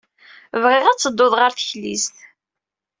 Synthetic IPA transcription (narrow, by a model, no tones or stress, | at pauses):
vʁɪʁæt͡sːəd̪ːoðˤʁəɾθəçlisθ